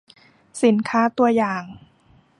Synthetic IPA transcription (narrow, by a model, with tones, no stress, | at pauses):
si˩˦nkʰaː˦˥t̪u˧ɐjaː˨˩ŋ